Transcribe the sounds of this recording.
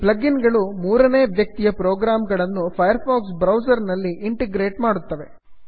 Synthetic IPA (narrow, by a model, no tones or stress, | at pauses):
plɐɡinɡɐɭumuːɾɐne̞ːʋjɐk̚t̪ijɐpɾoːɡɾaːmɡɐɭɐnːupʰɐjɐɾpʰaːksbɾɐwsɐɾnɐlːiʔiɳʈeɡɾe̞ːʈmaːɽut̪ːɐʋe̞